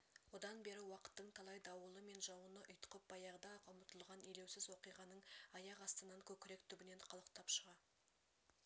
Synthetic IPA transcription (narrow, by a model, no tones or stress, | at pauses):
wod̪ɑnbe̞ɾɪwɑqə̥t̪ːəɴt̪ʰɑlˠɑjd̪ɑwəlˠəme̞nʒɑwənəʔʊjt̪ə̥qəp̚b̥ɑjɑʁəd̪ɑqʰəmət̪əlˠʁɑnele̞wsɪzwo̞qijʁɑnəɴɑjɑʁɑst̪ənɑɴkʲʰɵkʲɪɾek̚t̪ʰʏbɪne̞nqʰɑlˠəqt̪ʰɑpʃəʁɑ